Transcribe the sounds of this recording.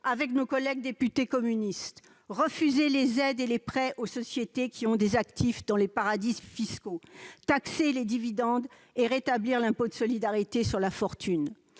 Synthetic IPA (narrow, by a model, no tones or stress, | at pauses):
avɛknokɔlɛɡ̚d̪epyt̪ekɔmynist̪ | ʁəfyzelezɛd̪elepχɛʔosɔsjet̪ekʲʰiɔ̃d̪ezakt̪ʰifd̪ɑ̃lepaʁad̪ifiskot̪akseled̪ivid̪ɑ̃d̪ | eʁet̪abliʁlɛ̃pod̪əsɔlid̪aʁit̪esyʁlafɔʁt̪yn